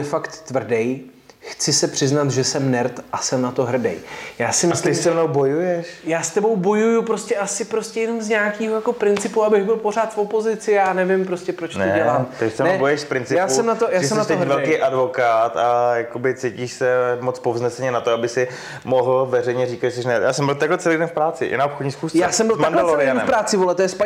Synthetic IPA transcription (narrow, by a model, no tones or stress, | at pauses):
ɛfakt̪ːvr̩dɛj | xt͡sɪsɛpr̝̥ɪznat̪ʒɛsɛmnɛɾt̪ʔasɛmnat̪o̞ɦr̩dɛ̰jjaːsɪmɪslɪsɛmnowbo̞jujɛʃjaːst̪ɛbo̞wbo̞jujupɾoscɛʔasɪpɾoscɛjɛno̞mzɲaːkiːɦojako̞pɾɪnt͡sɪpuabɪɣbɪlpo̞r̝aːt̪fo̞po̞zɪt͡sɪjaːnɛvɪmpɾo̞scɛpɾot͡ʃtodɛlaːmt̪ɪsɛmnoɛbojɛʃfpɾɪnt͡sɪjaːsɛmnat̪ojaːsɛmnat̪ɛɦvɛlkejʔadvo̞kaːt̪ajakobɪt͡sejciːʃsɛmot͡spovznɛsɛɲɛnat̪oabɪxsɪ | moɦl̩vɛrɛjɲɛriːkat̪jɛsɛʃnɛja̰ːsɛmbɪlt̪aklɛt͡sɛlijdɛnfpɾaːt͡sɪ̰ʔɪ̰naʔopxodɲiːsxuːsjaːsɛmbɪlmanddaloɾɪanɛ̰mpɾaːt͡sɪvolɛt̪ojɛspa